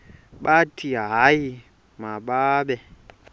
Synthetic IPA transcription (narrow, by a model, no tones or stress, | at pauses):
ɓatʰiaaji | maɓaɓɛ